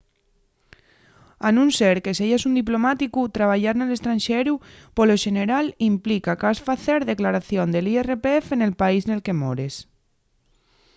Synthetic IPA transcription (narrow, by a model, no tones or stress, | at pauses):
anunseɾkeseʝesund̪ip̬lomat̪ikut̪ɾaβ̞aʎaɾnelest̪ɾanʲʃeɾupoloʒeneɾalimplikakasfaθeɾðeklaɾaθjond̪elierepeefenelpaiznelkemoɾes